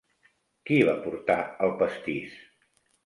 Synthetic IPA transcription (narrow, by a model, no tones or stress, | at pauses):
kiβapuɾt̪aəlˠpəst̪is